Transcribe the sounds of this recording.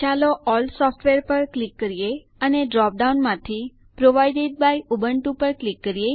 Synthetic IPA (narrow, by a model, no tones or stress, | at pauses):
t͡ʃaloʔɔlsɔfʈʋeɾpəɾklikːəɾije | əneɖɾɔp̚ɖaunmãt̪ʰi | pɾoʋajɖeɖ̚bajubəɳʈupəɾklikːəɾije